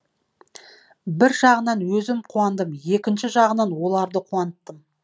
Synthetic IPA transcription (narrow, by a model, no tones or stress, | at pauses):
bɪɾʒɑʁənɑnwɵzɪmqʰuɑnd̪əmje̞kʲɪnʃɪʒɑʁənɑnwo̞lˠɑɾd̪əqʰuɑnət̪ːəm